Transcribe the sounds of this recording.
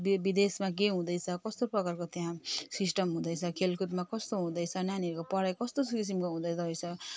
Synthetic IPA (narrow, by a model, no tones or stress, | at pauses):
bibid̪esmak̬eɦũd̪ʌjt͡sʰʌkʌst̪oprʌkarkot̪jãsisʈʌmɦũd̪ʌjt͡sʰʌkʰelkut̪makʌst̪oɦũd̪ʌjt͡sʰʌnaniʌɾkopʌɾajkʌst̪okis̬imkoɦũd̪ʌjt͡sʌɦʌjt͡sʰʌ